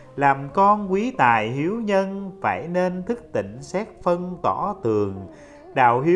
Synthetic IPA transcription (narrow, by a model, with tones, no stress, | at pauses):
laː˨˩mkɔ˧nkwi˨˦t̪aː˨˩jɦi˨˦əwɲə˧nfaː˧˩jne˧nt̪ʰɨ˦˥k̚t̪ḭ̈˧˨ŋ̟sɛ˦˥k̚fə˧nt̪ɔ˧˩t̪ɨ˨˩əŋ | ɗa̰ː˧˨wɦi˨˦